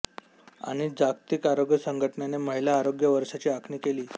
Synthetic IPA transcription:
a̰ɽ̃id͡zakt̪ikaɾoɡjəsəŋɡʱəʈnjaneməɦilaːɾoɡjəʋəɾʂat͡ɕiːakʰniːkeliː

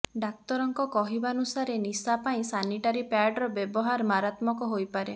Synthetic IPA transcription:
ɖak̚t̪ɔɾɔŋkɔkɔɦibanusaɾenisapaĩsaniʈaɾipaɖɾɔbebɔɦaɾmaɾat̪mɔkɔɦojpaɾe

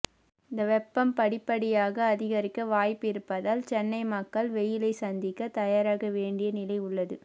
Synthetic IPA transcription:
ɪnd̪ɐʋɛpːɐmpɐɽɪpːɐɽɪjaːɣɐːðɪɣɐɾɪkːɐʋaːjpːɪɾɯpːɐðaːlt͡ʃɛnːɐɪmɐkːɐlʋɛjɪlɐɪsɐnd̪ɪkːɐt̪ɐjaːɾaːɣɐʋeːɳɖɪjɐnɪlɐɪʊɭːɐðɯ

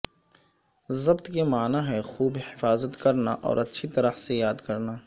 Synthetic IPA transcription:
zɐbt̪kemaːnaɦɛxuːbhɪfaːzət̪kɐɾnaʔɔ̰ːɾɐtːʃʰit̪ɐɾəhsejaːd̪kɐɾnaː

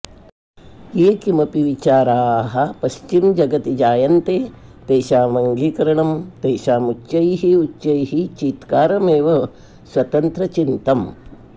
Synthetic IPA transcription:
eːkimɐpiʋit͡ʃaːɾaːɦɐpɐʃt͡ʃimd͡ʒɐɡɐt̪id͡ʒaːjɐnt̪eː | t̪eːʃaːʋɐŋɡiːkɐɾɐɳɐmt̪eːʃaːmut͡ʃːɐjɦiutːʃɐjɦit͡ʃiːt̪kaːɾɐmeːʋɐ | sʋɐt̪ɐnt̪ɾɐt͡ʃint̪ɐm

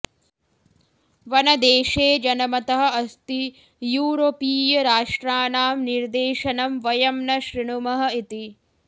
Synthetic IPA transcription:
ʋɐnɐd̪eːʃeːd͡ʒɐnɐmɐt̪ɐɦɐ̆ɐst̪i | juːɾopiːjɐɾaːʂʈɾaːnaːmniɾd̪eːʃɐnɐmʋɐjɐmnɐʃɾiɳumɐɦɐ̆it̪i

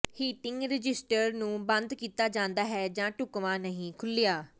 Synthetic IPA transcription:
hiːʈɪŋɡɾɪd͡ʒɪsʈəɾnũːbə̃nd̪kiːt̪aːd͡ʒãːnd̪aːɦɛːd͡ʒãːʈʊkʋãːnəɦĩːkʰʊlɪjaː

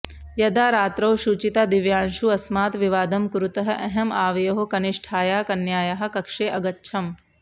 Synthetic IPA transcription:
jɐd̪aːɾaːt̪ɾɐwʃut͡ʃit̪aːd̪iʋjaːnʃuɐsmaːt̪ʋiʋaːd̪ɐmkɾut̪ɐɦɐ̆ʔɐɦɐmaːʋɐjɐɦukɐniʂʈʰaːjaːkɐnjaːjɐɦɐ̆kɐkʂeːʔɐɡɐtːʃʰɐm

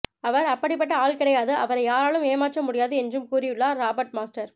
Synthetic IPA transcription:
ɐʋɐɾɐpːɐɽɪpːɐʈːɐaːɭkɪɽɐjaːðɯʔɐʋɐɾɐɪjaːɾaːɭɯmeːmaːʈrɐmʊɽɪjaːðɯɛndrɯmkuːɾɪjɯɭːaːɾaːbɐɾʈ̚maːsʈɐɾ

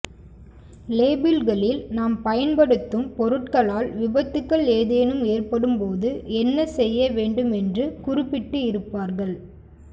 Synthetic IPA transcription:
leːbɪlɣɐɭɪlnaːmpɐjɐnpɐɽɯt̪ːɯmpɔɾɯʈkɐɭaːlʋɪbɐt̪ːɯkːɐɭeːðeːnɯmeːrpɐɽɯmpoːðɯʔɛnːɐsɛjːɐʋeːɳɖɯmɛndrɯkʊrɪpːɪʈːɯɪɾɯpːaːɾɣɐɭ

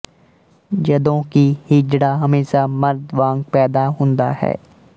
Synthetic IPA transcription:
d͡ʒɐd̪õkihid͡ʒɽaɦɐmeːʃamɐɾd̪ʋãːŋɡ̚pɛːd̪aɦõːnd̪a̰hɛ̰ː

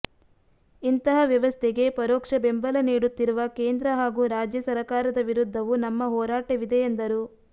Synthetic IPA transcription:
int̪ɐɦɐʋjɐʋɐst̪ʰeɡe̞pɐɾɔːkʂɐbe̞mbɐlɐniːɽut̪ːiɾuʋɐkeːnd̪ɾɐɦaːɡuːɾaːd͡ʒjɐsɐɾɐkaːɾɐd̪ɐʋiɾud̪ʱːɐʋunɐmːɐɦɔːɾaːʈɐʋid̪e̞ːnd̪ɐɾu

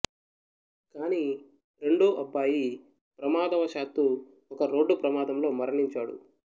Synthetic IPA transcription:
kaːni | ɾe̞ɳɖoːʔɐpːaːji | pɾɐmaːd̪ɐʋɐʃaːt̪ːu | ɔkɐɾo̞ːɖːupɾɐmaːd̪ɐmlo̞ːmɐɾɐɳiɲt͡ʃaːɽṵ

